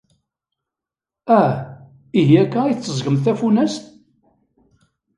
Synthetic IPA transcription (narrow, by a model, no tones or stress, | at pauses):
æ | iɦiækːæiθt͡sːəzʝəmθæfunæst̪